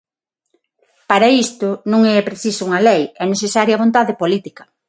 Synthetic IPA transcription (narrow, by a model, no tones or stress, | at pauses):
paɾaist̪ʊnõŋɛpɾeθisʊuŋɐlejɛneθesaɾjɐβont̪aðepolit̪ikɐ